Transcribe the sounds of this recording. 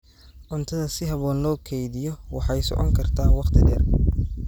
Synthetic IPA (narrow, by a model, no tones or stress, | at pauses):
ʔʊnt̪ʰɐðɐsɪɦɐβɔːnlɔːkʰɛjðɪjɔwɑħɑjsɔ̰ʕɔ̰ŋkʰɐrt̪ʰaːwɑqt̪ʰɪdɛːrkʰ